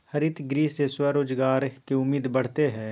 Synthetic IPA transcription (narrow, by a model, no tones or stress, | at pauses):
hɐɾɪt̪ɡɾiːseswɐɾoːd͡ʒɡaːɾkeʊmːiːd̪bɐɽ̤t̪eɦɛ̃ː